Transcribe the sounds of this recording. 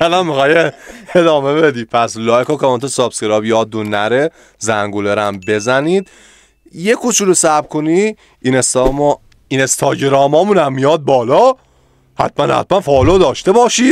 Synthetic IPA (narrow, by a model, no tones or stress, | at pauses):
ælanmixɒːjeed̪ɒːmebed̪i̥ːpʰæslɒːekɔːkʰemɔnt̪ʰesɒbskeɾɒːbjɒːd̪ːunːæɾe | zæŋɡoleɾæmbe̞zæniːd̪̥ | jekʰot͡ʃʰulosæbkʰoni | inest̪ɒm | inest̪ʰɒːɟeɾɒːmɒːmunæmːijɒːd̪̚bɒːlɒː | hæ̰t̪̚ʰmænhæ̰t̪̚ʰmænfɒːlod̪ɒːʃt̪ebɒːʃiːd̪̚